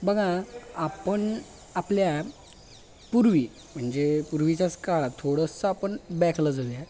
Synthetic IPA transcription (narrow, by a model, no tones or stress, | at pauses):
bəɡʱãapəɳ | aplja | puɾʋi | m̤əɳd͡zepuɾʋit͡ɕjaskaɭat̪ʰoɽəsəapəɳbɛkʰləd͡zod̪ja